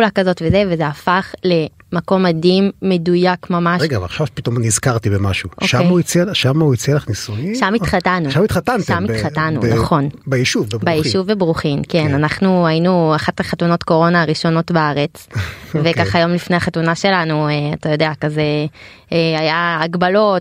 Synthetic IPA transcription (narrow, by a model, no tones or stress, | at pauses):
ulakazo̞tvezevezeafaχle̞mako̞madimːe̞dujakmamaʃeɡavaχʃavpit̪omnizkaʁt̪ibemaʃuʔoʃaeuit͡sielʃamauit͡sielaχnisuiʃamitχatanuʃamit̪χatantʃamitχatanṵnaχo̞nbejiʃuvebʁbjiʃuvebʁuχimkenanaχnuainuaχatlaχatuno̞tko̞ʁo̞naːʁiʃo̞no̞tbaaʁet͡svekaχajo̞mlifne̞jaχatunaʃe̞lanueatajo̞deakazeeajaːɡbalo̞t